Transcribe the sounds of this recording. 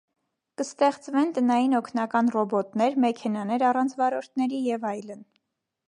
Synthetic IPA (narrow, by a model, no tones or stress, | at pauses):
kəst̪ɛχt͡svɛnt̪ənɑjinɔkʰnɑkɑnrɔbɔt̪nɛɾmɛkʰɛnɑnɛɾɑrɑnt͡sʰvɑɾɔɾt̪ʰnɛɾijɛvɑjlən